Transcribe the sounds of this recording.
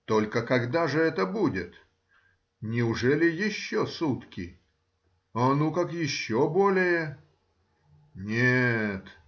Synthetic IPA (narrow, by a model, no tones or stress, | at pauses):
t̪o̞lʲkəkɐɡd̪aʐɨɛt̪əbudʲɪt̪ | nʲɪʊʐɛlʲɪjɪɕːosut̪kʲɪ | anukakjɪɕːobolʲɪjə | nʲet̪